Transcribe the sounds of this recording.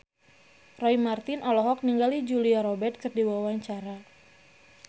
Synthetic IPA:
rɔimart̪ɪnɔlɔɦɔk̚niŋɡalid͡ʒuliaɾɔbɛrt̪̚kɨrdiwawaɲt͡ʃaɾa

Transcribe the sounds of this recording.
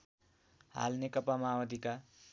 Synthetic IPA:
ɦa̰lnekʌpamaawʌd̪ʱika

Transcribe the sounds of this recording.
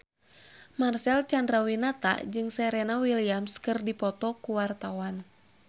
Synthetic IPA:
marsɛlt͡ʃandɾawinat̪a̰d͡ʒɨŋsɛɾɛnawiliamskɨrdipɔt̪ɔkuwart̪awan

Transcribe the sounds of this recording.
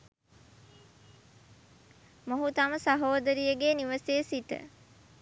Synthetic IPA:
moɦut̪ɐməsɐɦoːd̪əɾijəɡeniʋəsesit̪ə̰

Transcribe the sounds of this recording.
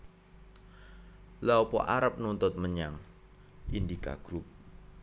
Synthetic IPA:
laopɔ̰ʔa̰ɾap̚nunt̪ʊt̪̚məɲaŋ | ʔindika̰ɡ̥ɾup̚

